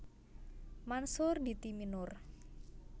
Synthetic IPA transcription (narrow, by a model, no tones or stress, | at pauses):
mansʊrd̪it̪iminʊr